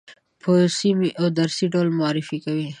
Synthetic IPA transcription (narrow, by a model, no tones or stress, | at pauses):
pʰosimiʔawd̪aɾsiɖolmʊɑɾɪfikawi